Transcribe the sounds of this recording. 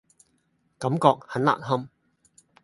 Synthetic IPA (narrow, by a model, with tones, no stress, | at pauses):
kɐ˨˥mkɔː˧k̚hɐ˨˥nla̰ː˨k̚ɦɐ˥m